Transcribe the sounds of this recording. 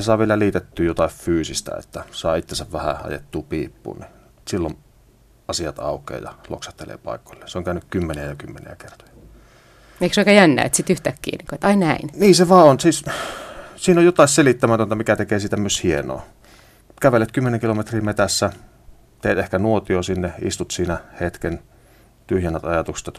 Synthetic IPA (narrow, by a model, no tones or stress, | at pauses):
esɑˑeʋielæliːt̪et̪ːyːjjot̪ɑiffyːsist̪æ̰ḛt̪ːæsɑːit̪ːensæʋʋæhæ̰ʔɑ̰jḛt̪ːuːpiːpːṵːnni | silːon | ɑsiɑt̪ɑ̰ˑukˑḛːjɑlo̰ksɑt̪ːelḛːpɑ̰ˑikːˑo̥lːenseoŋkæˑønykkymːeniæjɑkymːenḭækert̪o̥j̥ɑ | eiksoikɑjænːæ̰ːet̪sit̪yht̪ækːḭːnikoet̪ɑinæinniːseʋɑːonsiːs | siːnojot̪ɑˑsselit̪ːæmæt̪ønt̪æmikæt̪ekeːsit̪æmyeshieno̰ː | kæʋelːet̪kymːeneŋkilomet̪riːmet̪æsːæ | t̪eːt̪ehkænuot̪iosinːeḭst̪ut̪siːnæhet̪ken | t̪yhjænːæt̪ɑjɑt̪ukst̪t̪